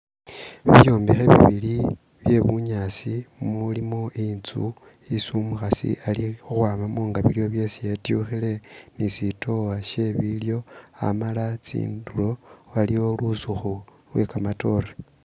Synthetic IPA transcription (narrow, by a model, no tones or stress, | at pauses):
βḭβjo̞ːmbixeβḭβili | βje̞βuɲasimulimo̞ʔint͡su | isumuxasḭʔalixuxwaːmamuːŋɡaβiljo̞βje̞sijetjuxile̞nisito̞waʃe̞βiljo̞a̰malat͡sḭːndulo̞walio̞lusuxu | lwe̞kamato̞ɾe